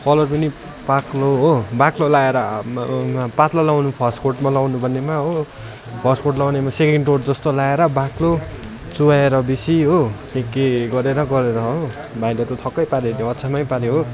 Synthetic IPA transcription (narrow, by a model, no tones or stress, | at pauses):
pʌlʌɾpʌni | pakloɦobaklolaeɾʌ | pat̪lalawnupʰʌskorʈmalawnubʱʌnːemaɦo | pʰʌskorʈlawnemasekeɳɖʈoʈd͡zʌst̪olaeɾʌbaklo | t͡suwaeɾʌbisiɦokekːeɡʌɾeɾʌɡʌɾeɾʌɦo | bʱajlʌt̪ʌt̪ʰʌkːʌjpaɾeneʌtːsʰamajpaɾeɦo